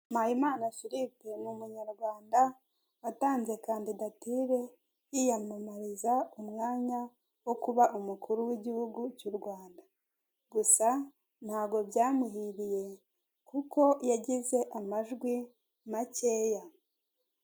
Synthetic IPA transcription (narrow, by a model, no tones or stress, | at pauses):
majimaːnafiɾipemumuɲaɾɡwaːnda | wataːnze̞kaːndidatiɾe̞ | ijamamaɾizaumŋaːɲa | wo̞kuβaʔumukʰuɾuwiɟihuɡucuɾɡwaːnda | ɡusa | n̥haːɡo̞bjaːmuhiɾije̞ | kuko̞jaɟize̞ʔamaʒɡwi | mace̞ːja